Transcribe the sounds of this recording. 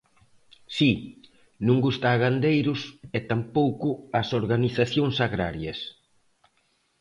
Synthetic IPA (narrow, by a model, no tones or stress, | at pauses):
si | nũŋɡust̪aːɣand̪ejɾʊsɛt̪ampowkʊɐsoɾɣaniθaθjoŋsaɣɾa̰ɾjɐs